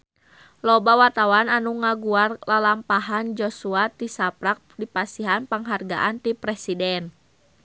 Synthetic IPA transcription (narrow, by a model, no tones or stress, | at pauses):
lɔbawart̪awananuŋaɡuarlalampaɦand͡ʒɔsuat̪isapɾak̚dipasiɦanpaŋɦarɡa̰ʔant̪ipɾɛsidɛn